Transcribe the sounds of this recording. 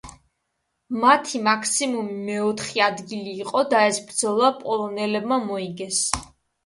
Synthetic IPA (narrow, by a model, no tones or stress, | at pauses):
mat̪ʰimakʰsimumimɛɔt̪ʰχiad̪ɡiliːqʼɔd̪aɛsbɾd̪zɔlˠapʼɔlˠɔnɛlɛbmamɔiɡɛs